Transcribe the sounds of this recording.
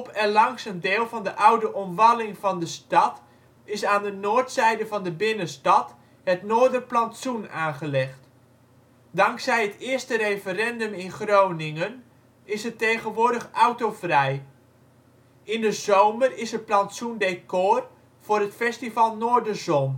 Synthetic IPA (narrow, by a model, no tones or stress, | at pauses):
pɛnlɑŋsəndeːlˠvɑndəʔʌwdəʔɔmʋɑlɪŋvɑndəstɑt | ɪsaːndənʊːɹtsɛjdəvɑndəbɪnənstɑt | ɦətnoːɹdərplɑntsunaːnχəlɛχt | dɑŋksɛjɦətɪːɹstəɾejfərɛndømɪnχrownɪŋən | ɪsətejχənʋʊːɹdəχawtowvrɛj | ɪndəzowmərɪsət̚plɑntsundekoːr | v̥ʊːrɦətfɛstivɑlˠnoːɹdəzɔn